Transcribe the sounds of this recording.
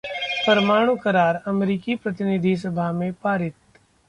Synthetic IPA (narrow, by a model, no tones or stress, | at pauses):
pɐɾmaːɽ̃ukɐɾaːɾɐmɾiːkipɾɐt̪ɪnɪd̪ʱis̬ɐbʱaɦmẽpaːɾɪt̪̚